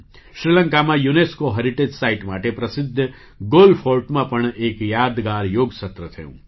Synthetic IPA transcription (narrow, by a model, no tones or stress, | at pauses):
ʃɾilə̃ŋkamãjuneskoɦɐɾiʈeːd͡ʒsaːiʈmaːʈepɾɐsɪd̪ʱː | ɡoːlpʰoːɾʈmãpɐɳ̃eːkjaːd̪ɡaːɾjoːɡsɐt̪ɾət̪ʰə̰ṵ̃ː